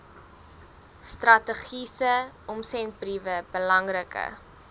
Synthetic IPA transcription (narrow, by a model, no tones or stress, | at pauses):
strɐtəχisəɔmsɛnt̚brivəbəlɐŋrəkə̰